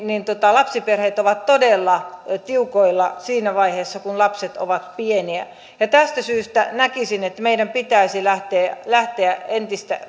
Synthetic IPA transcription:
nint̪uot̪ɑlɑpsiperheːt̪oʋɑt̪todelːɑt̪iukoilːɑsiːnæʋɑiheːsːɑkunlɑpset̪o̰ʋɑt̪pieniæ̰ | jɑt̪æst̪æsyːst̪æ̰nækisinet̪ːmeidæmpit̪æisilæht̪eːlæht̪eæent̪ist̪æ̰

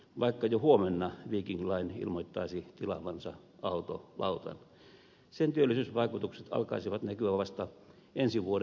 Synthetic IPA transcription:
ʋɑikːɑjohuomenːɑʋiːkiŋklɑinḭlmoit̪ːɑisit̪ilɑ̰ʋɑnsɑ | ɑut̪o̰lɑ̰ut̪ɑ̰n | sent̪yølːisyːsʋɑikut̪ukset̪ɑ̰lkɑ̰isiʋɑt̪nækyʋæʋɑst̪ɑ | ensiʋuoɾ

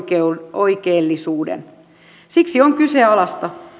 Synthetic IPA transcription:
oikeːlːisuːdḛn | siksioŋkyseɑlɑst̪ɑ

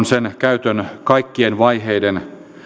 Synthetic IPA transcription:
nsenkæyt̪ønkɑikːienʋɑiɦeiden

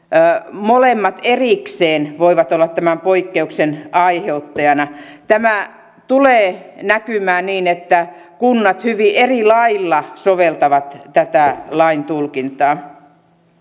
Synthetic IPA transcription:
molemːɑt̪erikseːnʋoiʋɑt̪olːɑt̪t̪æmæmpoikːeuksenɑiheut̪ːɑjɑnɑt̪æmæ | t̪uleːnækymæːniːnet̪ːæ | kunːɑt̪hyʋiʔerilɑilːɑsoʋelt̪ɑʋɑt̪t̪æt̪ælɑint̪ulkint̪ɑː

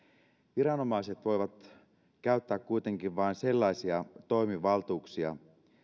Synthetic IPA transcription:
ʋiɾɑno̞mɑiset̪ʋo̞jʋɑt̪ | kæyt̪ːæːkkuit̪e̞ŋkiʋʋɑinse̞lːɑisiɑt̪o̞imiʋɑlt̪uːksiɑ̰

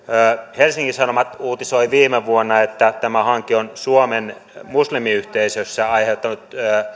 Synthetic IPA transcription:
helsiŋkisɑnomɑt̪uːt̪isoiʋiːmeʋuonːɑet̪ːæt̪æmæhɑŋkionsuomen | muslimiyht̪eisøsːæɑiheut̪ːˑɑnut̪ː

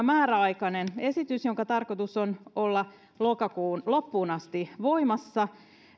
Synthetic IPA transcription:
mæːɾæɑikɑnene̞sit̪ysjoŋkɑt̪ɑrkot̪usonolːɑ | lokɑkuːnlopːuːnɑst̪iʋo̞imɑsːɑ

